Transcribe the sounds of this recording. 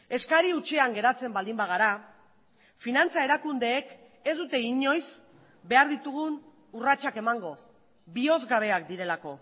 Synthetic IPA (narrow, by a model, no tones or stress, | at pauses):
e̞skaɾiut͡ʃe̞aŋɡe̞ɾat͡se̞mbald̪imbaɣ̞aɾa | finant͡sae̞ɾakund̪e̞ːk | e̞zd̪ut̪e̞iɲo̞js | be̞aɾðit̪uɣ̞un | urat͡ʃake̞maŋɡo̞ | bio̞zɣaβe̞ak̚d̪iɾe̞lako̞